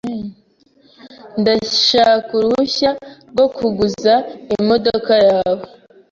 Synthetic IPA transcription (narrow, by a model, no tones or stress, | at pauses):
ndaʃaːkuɾuçaɾɡo̞kuɡuzaimo̞dokajaːβo